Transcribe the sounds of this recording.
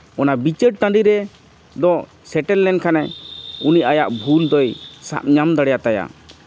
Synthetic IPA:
ɔnabit͡ʃəʈ̚t̪ãɖiɾɛ | d̪ɔʔ | sɛʈɛlːɛnkʰanɛuniajaʔbʱuld̪ɔjsa̰p̚ɲamd̪aɽɛjat̪aja̰

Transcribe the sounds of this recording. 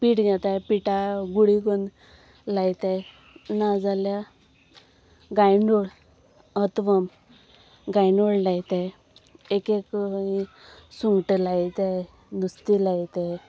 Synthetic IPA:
piʈɡat̪ajpiʈaɡuɽikon | lajt̪aj | nad͡zalja | ɡajɳɖoɽ | ət̪ʋəm | ɡajɳoɽlajt̪aj | ekeki | suŋɡʈəlajt̪e | nust̪ilajt̪e

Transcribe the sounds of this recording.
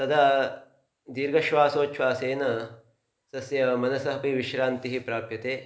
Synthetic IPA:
sɐd̪aː | d̪iːɾɡɐʃʋaːsoːt͡ʃʰʋaːseːnɐ | sɐsjɐmɐnɐsɐɦɐpiʋiʃɾaːnt̪iɦipɾaːpjɐt̪eː

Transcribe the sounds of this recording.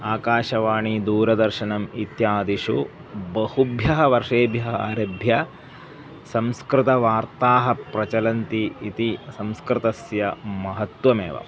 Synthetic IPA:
aːkaːʃɐʋaːɳid̪uːɾɐd̪ɐɾʃɐnɐmit̪jaːd̪iʃṵ | bɐhubʱjɐɦɐ̆ʋɐɾʂeːbjɐɦɐaːɾɐbʱjɐ | sɐmskɾɪt̪ɐʋaːɾt̪aːɦɐ̆pɾɐt͡ʃɐlɐnt̪iit̪isɐmskɾɪt̪ɐsjɐmɐɦɐt̪wɐmḛːʋɐ̰

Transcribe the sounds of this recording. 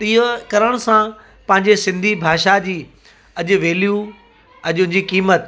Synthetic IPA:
t̪iːokɐɾəɽ̃ʊsã | pɐ̃ɦɪ̃ɲd͡ʑesɪ̃nd̪ʱibʱaːʃad͡ʑiː | ɐʄʊ̆ʋeːlijũ | ɐʄʊ̃nd͡ʑiːkiːmət̪

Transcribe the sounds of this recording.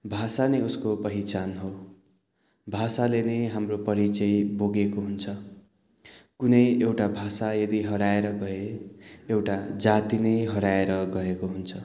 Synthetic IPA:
bʱasaneuskopʌɦit͡sanɦo | bʱasaleneɦamropʌɾit͡sʌjboɡekoɦunt͡sʰʌ | kunʌjewʈabʱasajʌd̪iɦʌɾaeɾʌɡʌeewʈad͡zat̪inʌjɦʌɾaeɾʌɡʌekoɦunt͡sʰʌ

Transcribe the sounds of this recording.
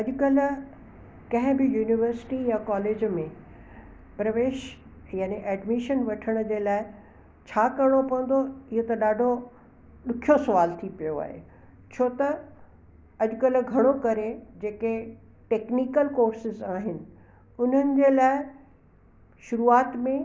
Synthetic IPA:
ɐʄʊkɐlʊ̆ | kɐ̃ɦɪ̃bɪjuːnɪʋəɾsɪ̥ʈijakaːleːd͡ʑmẽ | pɾɐʋeːʃ | jaːniʔɛːɖmiʃənʋɐʈʰəɽ̃̆d͡ʑeːlaːɪ | t͡ɕʰaːkɐɽ̃opɐ̃ə̃n̆d̪oɪɦot̪ɐɗaːɖʱo | ɗʊkʰijosɐʋaːlt̪ʰipijoa̰ːɦḛ | t͡ɕʰoːt̪ɐ | ɐʄʊkɐlʊ̆ɡʱɐɽ̃okɐɾed͡ʑeːke | ʈeːknikəlkoːɾsɪzaːɦɪnɪ̆ | ʊn̤ənɪ̆d͡ʑeːlaːɪ | ʃʊɾuaːt̪mẽ

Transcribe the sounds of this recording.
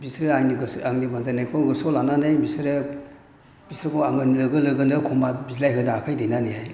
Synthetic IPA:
bisɾeaŋniɡsaŋnibanzanajkʰɔɡɯɾsɔlananajbisɾe | bisɾɯkʰɔaŋɯnilɯɡɯlɯɡɯndɯkʰɔmabizlajɦɯnaːkʰajdejnanehaj

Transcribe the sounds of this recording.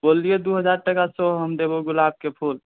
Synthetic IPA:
bolijed̪uɦəd͡ʒaɾʈəkasɔɦəmd̪eboɡʊlab̚kepʰul

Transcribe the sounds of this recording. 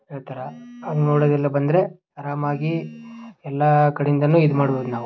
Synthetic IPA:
eːɭt̪ɐɾɐɐd̪noːɽoːd̪ɛlːɐbɐnd̪ɾe̞ | ɐɾaːmaːɡi | ɛlːɐkɐɽjind̪ɐnːuːid̪umaːɽboːd̪unaːʋu

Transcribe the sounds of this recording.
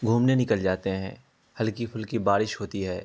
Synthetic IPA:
ɡʱuːmnenɪkəld͡ʒaːt̪eɦɛ̰̃ː | hɐlkipʰʊlkibaːɾɪʃɦoːt̪iɦɛː

